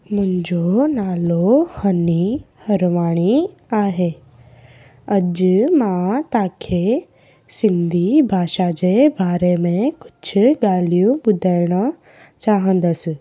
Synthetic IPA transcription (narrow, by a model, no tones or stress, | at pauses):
mʊ̃ɪ̃ɲd͡ʑonaːlohɐnihɐɾʋaːɽ̃i | aːɦeː | ɐʄmãt̪ãːkʰe | sɪ̃nd̪ʱibʱaːʃad͡ʑebaːɾemẽkʊ̥t͡ʃʰʊ̆ɠaːlijũɓʊd̪ʱaːɪɽ̃a | t͡ɕaːɦə̃nd̪əs̆